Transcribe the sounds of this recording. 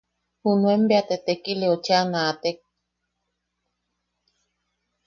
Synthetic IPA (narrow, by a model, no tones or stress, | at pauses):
hunũembeat̪et̪ekileot͡ʃaŋaːt̪ek̚